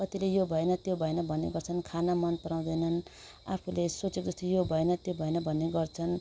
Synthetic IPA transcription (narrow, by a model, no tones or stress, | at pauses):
kʌt̪ilejobʱʌenʌt̪jobʱʌenʌbʱʌnːḛɡʌrt͡sʰʌnkʰanamʌnpʌɾaw̃d̪ʌjnʌn | a̰pʰulesot͡sekd͡zʌst̪ojobʱʌenʌt̪jobʱʌenʌbʱʌnːeɡʌrt͡sʰʌn